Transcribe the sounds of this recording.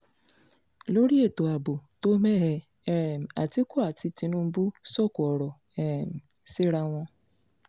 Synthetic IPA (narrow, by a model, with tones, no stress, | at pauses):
lo˦ɾi˦e˦˨to˨a˨bo˨to˦me˦ɦɛ˧˦ | ɾɛ˨m̩˨a̰˨ti˦ku˦a˨ti˧ti˦nũ˦m̩˦bu˦sɔ˦ku˨ɔ˨ɾɔ˨ | ɛ˦˨m̩˨ | si˦ɾa˦ŋ̃ʷɔ̃˧